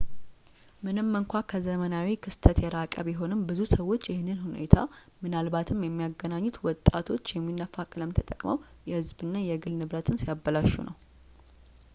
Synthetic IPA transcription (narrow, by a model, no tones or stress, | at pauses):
mɨnɨmːɨŋkʷakʰəzəmənawikʰɨst̪ʰət̪jɛɾakʼə̰βjɛɦo̞nɨmbɨzusəwːo̞t͡ʃːjɪhɪnːɨnhune̞̰t̪ʰa | mɨnalbat̪ʰɨmjɛmːijaɡənaɲːut̪wɔt̪ʼːat̪ʰo̞t͡ʃːjɛmːinːəfakʼɨləmt̪ʰət̪ʼəkʼməw | jɛhɨzbɨnːajɛɡɨlnɨβɾət̪ʰɨnsijabːəlaʃːṵnʔə̰w